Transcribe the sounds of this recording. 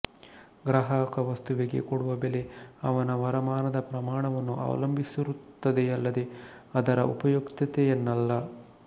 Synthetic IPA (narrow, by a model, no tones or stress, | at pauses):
ɡɾɐɦaːkɐʋɐst̪uʋiɡe̞̰koɽuʋɐbele̞ɐʋɐnɐʋɐɾɐmaːnɐd̪ɐpɾɐmaːɳɐʋɐnːuʔɐ̰ːʋɐ̰lɐmbʱisiɾut̪ːɐd̪e̞ɐlːɐd̪e̞ɐd̪ɐɾɐʔupɐjokt̪ɐt̪ejenːɐlːɐ